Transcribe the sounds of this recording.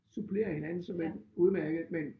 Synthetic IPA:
supʰle̝̰ːɐhe̝nænn̩sɒ̽menuð̞ˠmæɐɡ̥ð̩ˠmen

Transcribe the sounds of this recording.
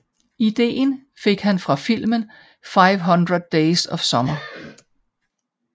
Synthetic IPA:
id̥e̝̰ːn | fe̝ɡ̥ɦænfʁɑ̈fil̰mən | fɑ̈ɪʋɦɒnd̥ʁəðˠd̥eɪsɒ̽ʋ̥sɒ̽mɐ

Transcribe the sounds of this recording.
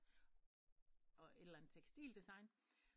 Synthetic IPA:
ʔɒ̽e̝d̥lænð̩ˠt͡sʰeɡ̥sd̥ḭːld̥isɑ̈ɪn

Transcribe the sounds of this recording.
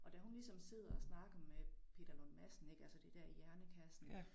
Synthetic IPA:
ʔɒ̽d̥æɦunlisɒ̽mse̝ð̞̰ˠɐɒsnɑ̈ːɡ̥ɐmepʰe̝̰d̥ɐlonmæsn̩e̝ɡ̥ælsəd̥e̝d̥æɐ̰ijæɐnəkʰæsn̩

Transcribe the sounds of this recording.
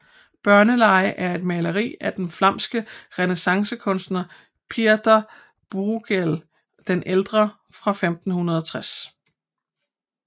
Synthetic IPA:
b̥ɶɐnəlɑ̈ɪəʔæɐe̝d̥mɛːlɐʁḭːæd̥enflɑm̰sɡ̥əʁɛnesɑ̈ŋsəkʰɔ̽nsd̥nɐ | pʰiɐd̥ɐ | b̥uɡ̥el | d̥enʔeld̥ʁɐ | fʁɑ̈femd̥n̩hunɐðˠɒt͡sʰʁas

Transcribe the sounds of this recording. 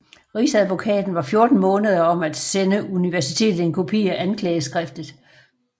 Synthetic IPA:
ʁisæðˠʋo̝kʰɛ̰ːd̥n̩ʋɑ̈fjo̝ɐd̥n̩mɔ̽ːnəð̞ˠɐɒ̽mæd̥senəuniʋæɐsit͡sʰe̝̰ːd̥ð̩ˠe̝nkʰo̝pʰḭːæʔænkʰlɛːəsɡ̥ʁɛfd̥ð̩ˠ

